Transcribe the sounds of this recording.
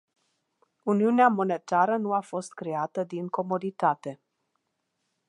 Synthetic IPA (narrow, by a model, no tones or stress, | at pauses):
uniuneamo̞ne̞t̪aɾənuafo̞st̪kɾe̞at̪əd̪iŋko̞mo̞d̪it̪at̪e̞